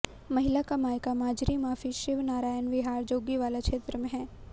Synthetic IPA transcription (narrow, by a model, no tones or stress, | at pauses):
mɐɦɪlakamaːjkamaːd͡ʒɾimaːfiʃɪʋnaːɾaːjənʋɪɦaːɾd͡ʒoːɡiʋaːlakʃeːt̪ɾəmẽɦɛ̃ː